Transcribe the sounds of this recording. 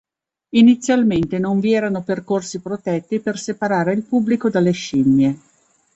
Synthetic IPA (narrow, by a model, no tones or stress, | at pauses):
init̪sːjalment̪enoɱviɛːɾanoperkorsipɾot̪ɛt̪ːipersepaɾaːɾeilpubːlikod̪alːeʃinːje